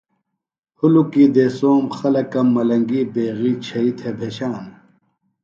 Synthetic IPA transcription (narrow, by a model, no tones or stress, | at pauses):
hulukiːd̪eːsoːmxɐlɐkɐmːɐlɐŋɡiːbeːɣiːt͡ɕʰɐit̪ʰebʱeːɕaːn